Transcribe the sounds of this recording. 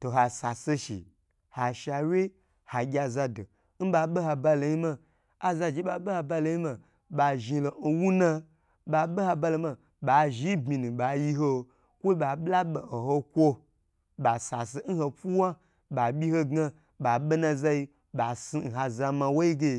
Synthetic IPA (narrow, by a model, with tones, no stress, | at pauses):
to˨ɦa˨sa˨se˧ʃḭ˨ | ha˨ʃa˧˨wʲe˦ | ha˨ɡʲa˧za˧do˨ | n̩˦ɓa˧ɓe˦ha˧ba˧lo˨ji˦mã˧ | a˨za˧d͡ʒi˦ɓa˧ɓe˦ha˧ba˧lo˧˦ji˦mã˧ | ɓa˨˧ʒi˧lo˨n̩˧wu˦nã˧ | ɓa˧ɓe˦ha˧ba˧lo˧ma˧ | ɓa˨ʒi˦bmi˧nũ˨ɓa˨ji˧ɦo˧ | kʷo˦ɓa˨ɓla˦ɓe˨ho˨ho˧kʷo˧ | ɓa˨sa˨s̬e˧˦n̩˦ho˧pu˦wa˦ | ɓa˨ɓʲi˦ho˧ɡa˧ | ɓa˨ɓe˦nã˧za˧ji˧ | ɓa˨si˧n̩˨ɦa˧za˧mã˧wo˦i˦ɡe˧